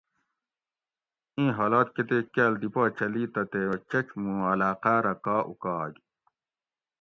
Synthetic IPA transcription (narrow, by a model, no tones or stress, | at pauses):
ĩːɦaːlaːt̪̚ket̪ekald̪ipaːt͡ɕɐliːt̪ɐt̪eːt͡ɕɐt͡ɕmũɐlaːqaːɾɐkaːʔṵkaːɡ